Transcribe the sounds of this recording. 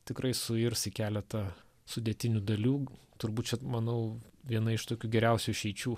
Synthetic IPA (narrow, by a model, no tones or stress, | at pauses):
t̪ʲɪkɾʔɐɪsʊɪɾsʲɪkʲæːlʲɛt̪ɐ | sʊd̪ʲeɛt̪ʲɪnʲʊd̪ɐlʲuːt̪ʊɾbuːt̪̚t͡ʃʲɛmɐnɐʊʋʲiɛnɐɪʃt̪oːkʲuːɡʲɛɾʲɛʊsʲuʃʲɛɪt͡ʃʲuː